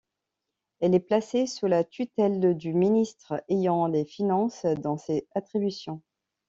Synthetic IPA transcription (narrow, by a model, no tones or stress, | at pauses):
ɛlɛplasesulat̪yt̪ɛld̪yminist̪χejɑ̃lefinɑ̃sd̪ɑ̃seat̪χibysjɔ̃